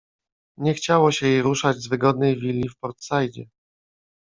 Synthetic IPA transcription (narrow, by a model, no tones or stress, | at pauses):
ɲɛxt͡ɕawɔɕɛjejɾuʂad͡ʑzvɘɡɔd̪̚nɛjvʲilʲːifpɔɾt̪sajd͡ʑɛ